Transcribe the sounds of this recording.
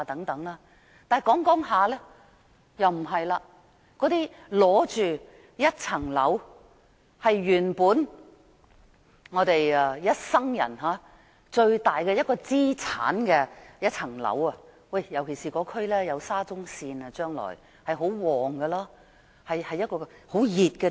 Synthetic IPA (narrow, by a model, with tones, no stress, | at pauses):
a˧t̪ɐ˨˥ŋt̪ɐ˨˥ŋlaː˥ | t̪aː˨n˨jkɔː˨˥ŋkɔː˨˥ŋɦaː˨˧lɛː˥ | jɐ˨wm̩˨˩ɦɐ˨jlaː˧ | kɔː˨˥t̪iː˥ | lɔː˨˥t͡ʃyː˨ | jɐ˥t̚t͡sʰɐ˨˩ŋlɐ̰˨˥w | hɐ˨jɥyː˨˩npuː˨˥n | ŋɔː˨˧˥t̪e˨jɐ˧jɐ˥t̚sɐ˥ŋjɐ̰˨˩nɦaː˨˧˥ | t͡ʃɵ˧ɥt̪aː˨jkɛ˧jɐ˥t̚kɔː˧t͡siː˥t͡sʰa̰ː˨˥nkɛ˧jɐ˥t̚t͡sʰɐ˨˩ŋlɐ̰˨˥wɐ˧ | wɐ˧˩jjɐ˨˩wkʰe˨˩siː˨˩kɔː˨˧˥kʰɵ˥ɥlɛː˥jɐ˨˧wsaː˥t͡sʊ˥ŋsiː˧nɐ˧t͡ʃœː˥ŋlɔ̰ː˨˩j | hɐ˨jɦo˨˥wwɔː˨˩ŋɡɛ˧laː˥ | hɐ˨jhɐ˨jːɐ˥t̚kɔː˧ho˨˥wjiː˨t̚kɛ˧